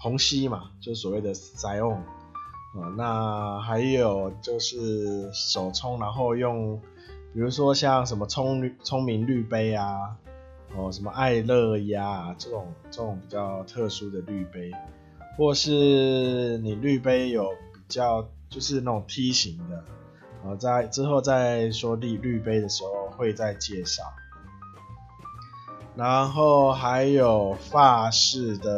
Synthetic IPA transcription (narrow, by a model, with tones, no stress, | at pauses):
hʰʊ˧˦ŋɕi˦ma˨t͡ɕjo˥˧ʊʂ̩˥˩swɔ˨˩we˥˩ɪd̪ə˩ | sa˧˥ɪɔ˥˩ŋ | ɔ˨˩na˥˧ɦa˧˦ɪjo˨˩ʊt͡ɕjo˥˧ʊʂɻ̩˥˩ʂo˨˩ʊt͡sʰʊ˦˥ŋna˧˥˦ŋxo˥˧ʊjo˥˧ŋ | pi˨˩ɻu˧˥ʂwɔ˦ɕja˥˨ŋʂ̬ə˨˧˦nmə˧t͡sʰʊ˦˥ŋy˥˨t͡sʰʊ˥ŋmi˨˧˦nly˥˧pe˥ɪa˧ | ɔ˥˩ʂə˧˦nmə˧ʔa˥˧ɪlɤ˥˧˩ja˦˨˩ʈ͡ʂɤ˥˧˩ʈ͡ʂʊ˨˩ŋt͡sə˥˧˩ʈ͡ʂʊ˨˩ŋpi˨˩t͡ɕjɑ˥˩ʊt̪ʰɤ˥˧ʂu˥d̪ə˨ly˥˩pe˧˥ɪ | xwɔ˥˧ʂɻ̩˥˩ | ni˨˩ly˥˩pe˥ɪjo˨˩ʊpi˨˩t͡ɕjɑ˥˩ʊt͡ɕjo˥˧ʊʂɻ̩˥˧na˥˩ʈ͡ʂʊ˨˩ŋt̪ʰi˦˥ɕi˨˦ŋd̪ə˨ | ɔ˨˩t͡sa˥˩ɪʈ͡ʂɻ̩˥xo˥˧ʊt͡sa˥˧ɪʂwɔ˦li˥˧ly˥˧pe˥ɪd̪ə˨ʂɻ̩˧˦xo˥˧ʊxwe˥˧ɪt͡sa˥˧ɪt͡ɕjɛ˥˧ʂɑ˥˩ʊ | na˧˦nxo˥˩ʊxa˧˦ɪjo˨˩ʊfa˥˧ʂɻ̩˥˩d̪ə˨